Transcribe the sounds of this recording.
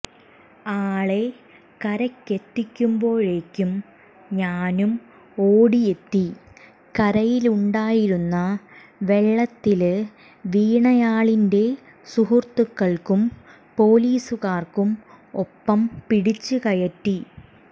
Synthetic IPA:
aːɭe̞ | kɐɾɐkːe̞t̪ːikʲːumbo̞ːɻekʲːum | ɲaːnum | oːɽije̞t̪ːi | kɐɾɐjiluɳɖaːjiɾunːɐ | ʋe̞ɭːɐt̪ːil | ʋiːɳɐjaːɭinde̞ | suɦurt̪ukːɐɭkum | po̞ːliːsukaːrkum | opːɐmpiɽit͡ɕːɨkɐjɐtːi

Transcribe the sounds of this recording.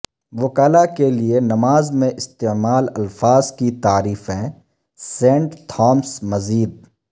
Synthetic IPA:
ʋʊkaːlakelienɐmaːzmẽʔɪst̪emaːlɐlfaːzkit̪aːɾiːfɦɛ̃ː | sẽːɳʈt̪ʰɔːmsmɐziːd̪̚

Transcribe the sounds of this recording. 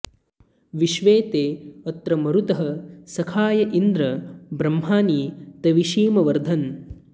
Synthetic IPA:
ʋiʃʋeːt̪eːɐt̪ɾɐmɐɾut̪ɐɦɐsɐkʰaːjɐʔind̪ɾɐbɾɐmɦaːniːt̪ɐʋiʃiːmɐʋɐɾd̪ʱɐn

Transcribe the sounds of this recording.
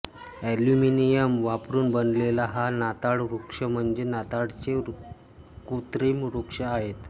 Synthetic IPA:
æljuminijəmʋapɾuːnbənlelaɦanat̪aɽɾukʂəm̤əɳd͡ʑenat̪aɽt͡ɕe | kut̪ɾimɾukʂəaɦet̪

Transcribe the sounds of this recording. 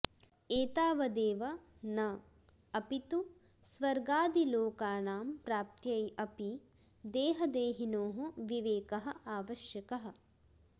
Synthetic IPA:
eːt̪aːʋɐd̪eːʋɐ | nɐ | ɐpit̪u | sʋɐɾɡaːd̪iloːkaːnaːmpɾaːp̚t̪jɐjɐpi | d̪eːɦɐd̪eːɦinoːɦuʋiʋeːkɐɦɐ̆aːʋɐʃjɐkɐɦɐ̆

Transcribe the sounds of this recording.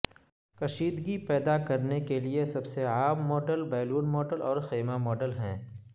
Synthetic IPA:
kɐʃiːd̪ɡipɛːd̪akɐɾnekeliesɐbseaːmːɔːɖəlbɛːluːnmɔːɖəlɔːɾxeːmamɔːɖəlɦɛ̰̃ː

